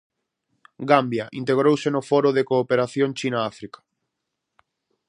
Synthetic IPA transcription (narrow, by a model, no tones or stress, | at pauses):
ɡambjaʔint̪eɣ̞ɾowsenofoɾoðekoːpeɾaθjõŋt͡ʃinaafɾikḁ